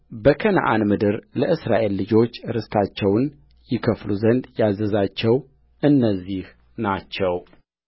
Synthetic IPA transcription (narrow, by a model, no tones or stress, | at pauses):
bəkʰəna̰ʔanmɨd̪ɨɾləʔɨsɾa̰ʔe̞lːɨd͡ʒo̞t͡ʃːɾɨst̪ʰat͡ʃːɛwn | jɪkʰəfluzənd̪jazəzat͡ʃːɛw | ʔɨnːəzːih | nat͡ʃːɛw